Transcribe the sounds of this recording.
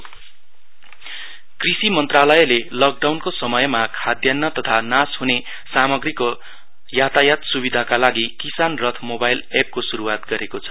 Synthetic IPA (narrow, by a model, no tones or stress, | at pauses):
krisimʌnt̪ralʌjlelʌk̚ɖawnkosʌmʌjmakʰad̪janːʌt̪ʌt̪ʰanasɦune | samʌɡriko | jat̪ajat̪subid̪ʱakalaɡikisanrʌt̪ʰmobajlep̚kosuɾuwat̪ɡʌɾekot͡sʰʌ̥